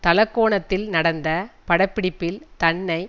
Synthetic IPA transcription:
t̪ɐlɐkːoːɳɐt̪ːɪlnɐɽɐnd̪ɐpɐɽɐpːɪɽɪpːɪlt̪ɐɳːɐɪ

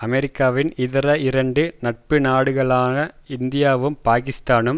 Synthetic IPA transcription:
ɐmɛɾɪkːaːʋɪnɪðɪɾɐɪɾɐɳɖɯnɐʈ̚pɯnaːɽɯɣɐɭaːnɐɪnd̪ɪjaːʋɯmpaːkɪst̪aːnɯm

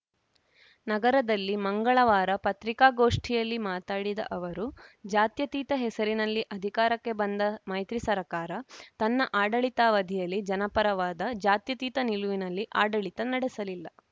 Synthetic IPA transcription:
nɐɡɐɾɐd̪ɐlːimɐŋɡɐɭɐʋaːɾɐpɐt̪ɾikaːɡo̞ːʂʈʰijɐlːimaːt̪aːɽid̪ɐ̰ʔɐʋɐɾud͡ʒaːt̪jɐt̪iːt̪ɐɦɛsɐɾinɐlːiʔɐd̪ʱikaːɾɐkːe̞bɐnd̪ɐmɐjt̪ɾisɐɾɐkaːɾɐt̪ɐnːɐʔaːɖɐɭit̪aːʋɐd̪ʱijɐlːid͡ʒɐnɐpɐɾɐʋaːd̪ɐd͡ʒaːt̪jɐt̪iːt̪ɐniluʋinɐlːiʔaːɖɐɭit̪ɐnɐɽesɐlilːɐ

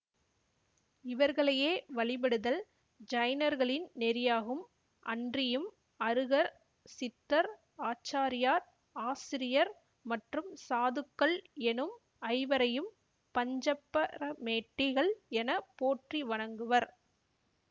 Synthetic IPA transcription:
ɪʋɐɾɣɐɭɐjeːʋɐɭɪbɐɽɯðɐl | d͡ʒɐjnɐɾɣɐɭɪnnɛɾɪjaːɣɯm | ʔɐ̰ndrɪjɯm | ɐɾɯɣɐɾ | sɪt̪ːɐɾ | aːt͡ʃːaːɾɪjaːɾ | aːsɪɾɪjɐɾ | mɐʈrɯmsaːðɯkːɐɭɛnɯm | ɐɪʋɐɾɐjɯm | pɐɲd͡ʒɐpːɐɾɐmeːʈːɪɣɐɭɛnɐpoːʈriʋɐɳɐŋɡɯʋɐɾ

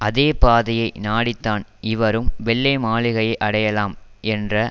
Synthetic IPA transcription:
ʔɐðeːpaːðɐjɐɪnaːɽɪt̪ːaːnɪʋɐɾɯmʋɛɭːɐɪmaːɭɪɣɐjɐɪʔɐɽɐjɐlaːmɛndrɐ

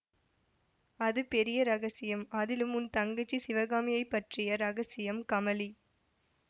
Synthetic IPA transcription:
ɐðɯpɛɾɪjɐɾɐɣɐsɪjɐmɐðɪlɯmʊnt̪ɐŋɡɐt͡ʃːisɪʋɐɣaːmɪjɐɪpːɐʈrɪjɐɾɐɣɐsɪjɐmkɐmɐli

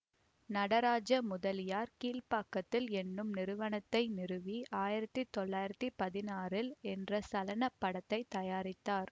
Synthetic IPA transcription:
nɐɽɐɾaːd͡ʒɐmʊðɐlɪjaːɾkiːlpaːkːɐt̪ːɪlɛnːɯmnɪɾɯʋɐɳɐt̪ːɐɪnɪrɯʋiaːjɪɾɐt̪ːit̪ɔɭːaːjɪɾɐt̪ːipɐðɪnaːrɪlɛndrɐsɐlɐnɐpːɐɽɐt̪ːɐɪt̪ːɐjaːɾɪt̪ːaːɾ

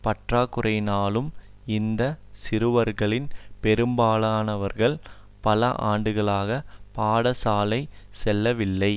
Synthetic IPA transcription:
pɐʈraːkːɯrʔɐɪnaːlɯm | ɪnd̪ɐsɪɾɯʋɐɾɣɐɭɪnpɛɾɯmbaːɭaːnɐʋɐɾɣɐɭ | pɐlɐʔa̰ːɳɖɯɣɐɭaːɣɐpaːɽɐsaːlɐɪ | sɛlːɐʋɪlːɐɪ

